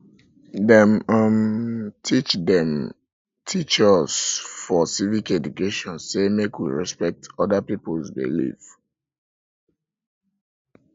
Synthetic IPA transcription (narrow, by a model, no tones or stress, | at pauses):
dɛ̃mamtʰit͡ʃdɛ̃m | tʰit͡ʃəz̥fɔsivikɛdukeʃɔ̃nsemekwḭɹɛ̰spɛk̚tɔdəpipolzbḭlḭv